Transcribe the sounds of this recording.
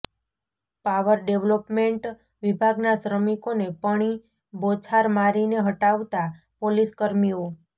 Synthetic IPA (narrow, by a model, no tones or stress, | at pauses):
paʋəɾɖeʋlopmeɳʈ | ʋibʱaɡnaʃɾəmikonepəɽ̃i | bot͡ʃʰaɾmaɾineɦəʈaʋt̪a | poliskəɾmio